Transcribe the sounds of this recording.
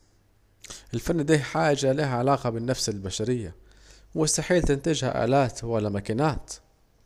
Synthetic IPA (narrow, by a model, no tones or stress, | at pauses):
ʔɪlfanːd̪iːħaːʒaliːhʕalaːqabɪnːafsɪlbaʃaɾɪjːa | wɪst̪aħiːlt̪ɪnt̪ɪd͡ʒha̰ʔa̰ːlaːt̪walːamakaːnaːt̪